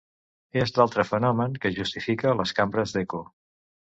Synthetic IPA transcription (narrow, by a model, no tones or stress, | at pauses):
ezlalˠt̪ɾəfənɔməŋkəʒust̪ifikələskambɾəzðeku